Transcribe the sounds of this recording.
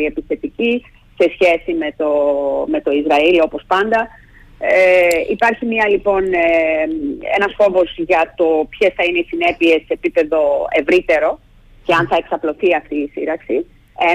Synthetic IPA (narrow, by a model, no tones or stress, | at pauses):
ie̞pisθe̞t̪ici | se̞sçe̞sime̞t̪o̞me̞t̪o̞izɾɐilo̞po̞spɐnd̪ɐ | ipɐɾçimɐlipo̞n | e̞̰nɐsfo̞vo̞zʝɐt̪o̞pçe̞sθɐineisine̞pie̞sːe̞ːpipe̞ðo̞e̞vɾit̪e̞ɾo̞ | ce̞ɐnθɐeksɐplo̞θiɐft̪iːsḭɾɐksi | e